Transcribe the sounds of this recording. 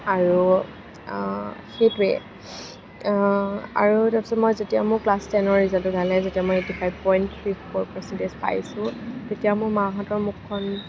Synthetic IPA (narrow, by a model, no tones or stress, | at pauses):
aɹu | xejtʊɹɛ̰ | a̰ɹutɛpɛ̥sɔmɔjzetijamʊɹklastɛnɔɹizatʊɡalɛzetiamɔjetipʰajbpɔjnttʰɹipʰɔɹpɔsɛntezpa̰jsʊ̃tetijamʊɹmaɦatɔɹmukʰːɔn